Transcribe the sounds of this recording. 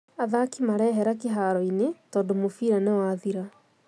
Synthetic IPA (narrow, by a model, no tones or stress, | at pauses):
aðakimaɾɛːɦɛɾakeɦaɾɔinetɔːndomofiːɾanewaðiɾa